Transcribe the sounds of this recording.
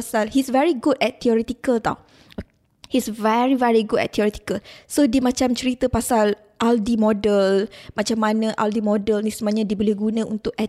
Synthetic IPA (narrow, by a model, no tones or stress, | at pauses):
salhisvɛɹiɡudɛt̪̚t̪ʰːiɔɾɛt̪ikəlt̪a̰w | hisvɛɹivɛɹiɡudɛ̰t̪t̪ʰːiɔɾɛt̪i̥kəlsodiəmãt͡ʃamt͡ʃəɾit̪əpasal | ʔaldimɔdəlmãt͡ʃamːanə̃ʔa̰ldimɔdəlnisumaɲãdibolɛhɡunə̃unt̪ʊkɛt